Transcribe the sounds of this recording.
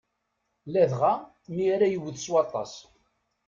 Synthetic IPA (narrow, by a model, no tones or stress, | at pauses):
læðʁa | miɾæjəwðswɑt̪ˤːɑ̰s